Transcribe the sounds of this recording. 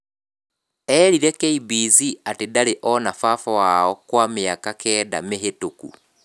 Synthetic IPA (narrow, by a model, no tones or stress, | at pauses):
ɛːɾiɾɛkɛibiːziatedaɾeʔɔnafafɔwaɔkwameakakʰɛːda̰meɦetokṵ